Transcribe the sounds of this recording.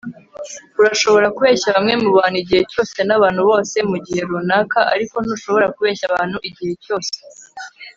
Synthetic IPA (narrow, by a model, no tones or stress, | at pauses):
uɾaʃo̞βo̞ɾakuβe̞ːçaβamŋe̞muβaːn̤̥uiɟihe̞co̞ːse̞naβaːnhuβo̞ːse̞muɟihe̞ɾunakaʔa̰ɾiko̞nuʃo̞βo̞ɾakuβe̞ːʃaβaːn̥huʔiɟihe̞co̞ːse̥